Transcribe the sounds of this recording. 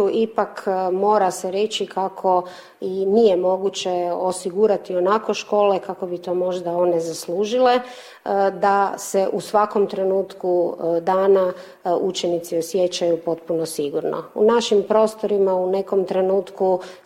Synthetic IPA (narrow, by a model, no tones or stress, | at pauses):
uʔipakmo̞ːɾaseɾe̞t͡ʃikakʰo̞ | inijemo̞ɡut͡ɕeosiɡuːɾat̪ionako̞ʃko̞ːlekako̞bit̪o̞ːmo̞ʒd̪ao̞nezasluːʒile | d̪aseʔusʋako̞mt̪ɾe̞nuːt̪kud̪aːna | ut͡ʃenit̪siosjet͡ɕajupo̞t̪̚punosiɡuɾno̰ṵnaʃimpɾo̞ːst̪o̞ɾimaune̞ko̞mt̪ɾe̞nuːt̪ku